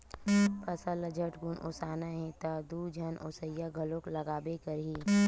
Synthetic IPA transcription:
pʰɐsələd͡ʒʱɐʈɡunʔosaːnaɦẽt̪ad̪uːd͡ʒʱɐnʔosəjaɡʱɐlõklɐɡaːbekɐɾɦiː

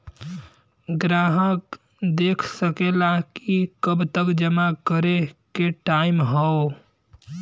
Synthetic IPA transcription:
ɡɾaɦək | d̪ekʰsəkelakikəbt̪əkd͡ʒəmakəɾekeʈaimɦɔo

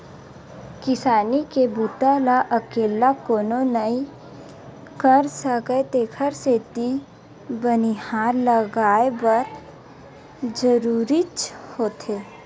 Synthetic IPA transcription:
kɪsaːnikebut̪alaʔəkeːlakoːnonəĩ | kəɾsəkəet̪eːkʰəɾseːt̪i | bənihaːɾləɡaːebəɾ | d͡ʒəɾuːɾit͡ʃhoːt̪eː

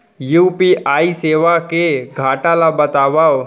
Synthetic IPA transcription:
juːpiʔaːiseːʋakeɡʱaːʈaːlabət̪aːʋaw

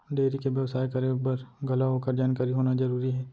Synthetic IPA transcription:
ɖeːɾikeʋjɐʋsaːjkɐɾebəɾɡʱɐlaɦoːkəɾd͡ʒaːnkaːɾiɦoːnazɐɾuːɾiɦɛː

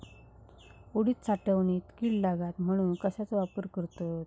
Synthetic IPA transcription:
uɽiːt̪̚t͡saʈəʋniːt̪kiɽlaɡat̪m̤əɽ̃uːnkəɕat͡sʋapəɾkəɾt̪ot̪

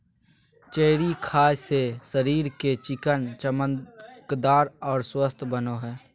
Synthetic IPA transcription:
t͡ʃeːɾikʰaːjsesəɾiːɾket͡ʃɪkənt͡ʃəməkd̪aːɾɔːɾswəst̪ʰbənoɦɛː

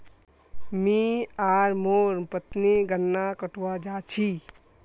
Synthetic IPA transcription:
mĩaːɾmoːɾpət̪niɡənːakəʈʰwad͡ʒaːt͡ʃʰi

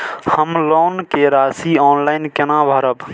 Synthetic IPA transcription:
həmloːnkeɾasiɔːnlaɪnkenabʱəɾəb

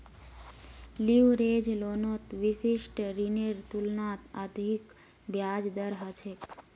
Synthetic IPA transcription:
liwɾeːd͡ʒloːnot̪ʋisiʃʈɾineɾt̪ulnaːt̪əd̪ʱik | bjaːd͡ʒd̪əɾɦət͡ʃʰek

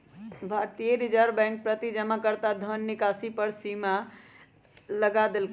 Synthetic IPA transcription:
bʱaɾt̪ijeɾid͡ʒəɾbɛ̃ŋk̚pɾət̪id͡ʒəmakəɾt̪ad̪ʱənːikasipəɾsima | ləɡad̪elk

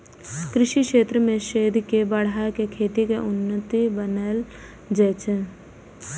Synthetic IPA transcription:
kɾɪʃikʃeːt̪ɾəmẽʃeːd̪ʱkebəɽ̤akekʰeːt̪ikeʔʊnːət̪ibənəl | d͡ʒɛːt͡ʃə

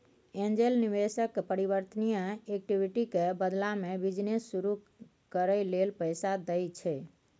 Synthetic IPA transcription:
end͡ʒelniβesəkpəɾiβəɾt̪ənijəek̚ʈibʱiʈikebəd̪lamebid͡ʒnesːuɾu | kəɾəjlelpəjsad̪əjt͡ʃʰɛ

